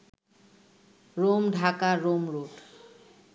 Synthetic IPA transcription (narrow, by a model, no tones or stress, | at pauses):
ɾomɖʱakaɾomɾoɖ